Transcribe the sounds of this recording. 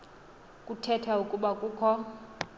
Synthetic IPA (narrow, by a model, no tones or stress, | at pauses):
kʼutʰɛtʰaukʼuɓakʼuːkʰɔ